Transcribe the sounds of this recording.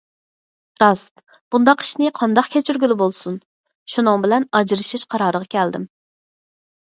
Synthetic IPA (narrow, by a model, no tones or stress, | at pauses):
ɾɑst̪ | b̥und̪ɑqʰi̥ʃnɪqʰɑnd̪ɑqkʲʰɛt͡ʃʰyɾɡʲylɪbolˠsun | ʃunɨŋbɪlɛnɑd͡ʒɾɨʃiʃqʰɑɾɑːɾəʁɑkʲʰɛld̪ɪm